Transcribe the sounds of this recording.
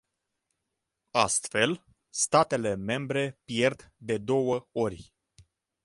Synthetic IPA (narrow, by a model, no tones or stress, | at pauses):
ast̪fe̞l | st̪at̪e̞le̞me̞mbɾe̞pje̞rt̪d̪e̞d̪o̞wəo̞rʲ